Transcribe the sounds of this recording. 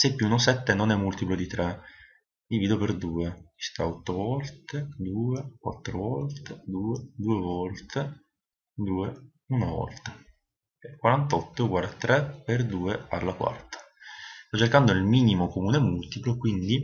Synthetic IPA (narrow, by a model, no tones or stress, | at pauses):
sepːuunosɛt̪ːenonɛmːult̪iplod̪it̪ɾe | d̪iviːd̪operd̪uːei̥st̪aɔt̪ːovɔlt̪ed̪uːekwa̰t̪ːɾovɔlt̪ed̪uːed̪uːevɔlt̪e | d̪uːe | unavɔ̰lt̪ḁ | ɛkwaɾant̪ɔt̪ːoɡwaɾd̪at̪ɾeperd̪uːealːakwa̰rt̪ʰḁ | st̪ɔt͡ʃːerkand̪oilmiːnimokomuːnemult̪iplokwind̪i